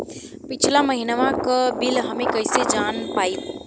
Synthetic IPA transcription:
pɪt͡ʃʰlãməɦinʋãkəbilɦəmẽkəɪsed͡ʒanpait̪

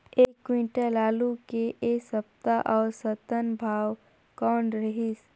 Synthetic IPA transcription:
eːkːwĩːɳʈelaːlukeʔeːsəp̚t̪aʔɔːɾsət̪ənbʱaːw | kɔːɳɖɾɐɦis

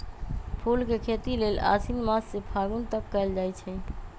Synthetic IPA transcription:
pʰulkekʰet̪ilela̰sinmasːepʰaɡunt̪ək̚kəeld͡ʒajt͡ʃʰɛ

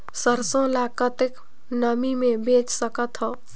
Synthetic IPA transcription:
səɾsõlaːkət̪ɪk | nəmimẽbeːt͡ʃsəkət̪ɦɔː

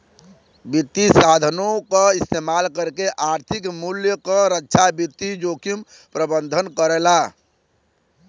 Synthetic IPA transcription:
bit̪ːisad̪ʱənõkaist̪emalkəɾkeʔaɾt̪ʰikmuljəkəɾətːʃʰabit̪ːid͡ʒokim | pɾəbənd̪ʱənkəɾɛla

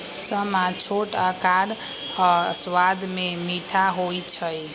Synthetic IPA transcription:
səmat͡ʃʰoʈakaɾ | swad̪memiʈʰaɦojt͡ʃʰəj

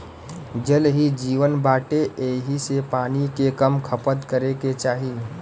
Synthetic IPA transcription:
d͡ʒəlɦid͡ʒiːʋənbaːʈeʔeːɦisepaːnikekəmkʰəpət̪kəɾeket͡ʃaːɦi

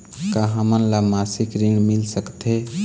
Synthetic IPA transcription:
kaɦəmənlamasikɾiɳmilsəkt̪ʰe

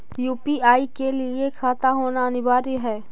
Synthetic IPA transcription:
juːpiaːikelɪekʰaːt̪aɦoːnaɐnɪbaːɾiɦɛː

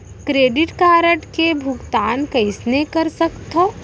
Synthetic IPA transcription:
kɾeːɖɪʈkaːɾəʈkebʱʊkt̪aːnkɐɪsnekɐɾsɐkt̪ɦoː

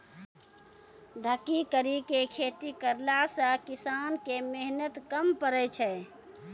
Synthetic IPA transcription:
ɖʱəkːikəɾikekʰet̪ikəɾlasə̃kisankemeɦnət̪kəmpəɾɛt͡ʃʰɛ

